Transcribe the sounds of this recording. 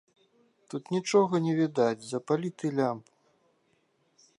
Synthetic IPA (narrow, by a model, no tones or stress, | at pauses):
t̪ut̪nʲit͡ʂɔɣɐnʲɛvʲid̪ad͡zʲzɐpalʲit̪ɨlʲamp